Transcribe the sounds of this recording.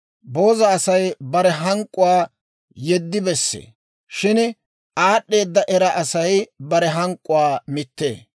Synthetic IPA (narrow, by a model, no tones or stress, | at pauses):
bo̞ːzɐːsɐjbɐɾɛɦɐŋkʼːʊwaː | jɛd̪ːɪbɛsːḛː | ʃɪn | aːɗːe̞ːd̪ːɐʔɛɾɐʔɐsɐjbɐɾɛɦɐŋkʼːʊwaːmɪt̪ːḛː